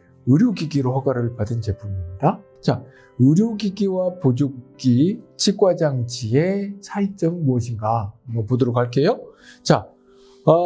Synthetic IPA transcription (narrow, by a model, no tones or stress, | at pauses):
ɯɾjoɡiɡiɾoɸaɡaɾɯɭpadɯnt͡ɕe̞p͈ʰumimɲida | t͡ɕa | ɯɾjoɡiɡiwapod͡ʑokk͈it͡ɕʰik͈wad͡ʑaŋd͡ʑiesʰait͡ɕ͈ʌŋmuʌɕʰiŋɡamʌpodoɾokɦaɭk͈ʰe̞jot͡ɕa | ʌ